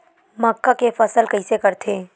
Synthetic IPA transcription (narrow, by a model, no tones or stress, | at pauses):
mɐkːakefɐsəlkəisekɐɾt̪ʰeː